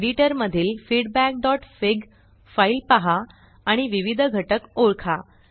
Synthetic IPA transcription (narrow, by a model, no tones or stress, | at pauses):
ɖiʈəɾməd̪ʱiːlfiɽbæk̚ɖɔʈfeɡ | failpaɦaː | ɽ̃iʋiʋid̪ʱɡʱəʈəkoɾkʰa